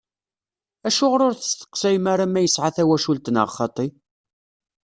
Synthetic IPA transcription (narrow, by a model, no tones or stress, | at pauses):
æʃʊʁɾʊɾθəst̪ə̥qsæjmaɾamæjəsʕaθæwæʃult̪ənə̰ʁχːɑt̪ˤi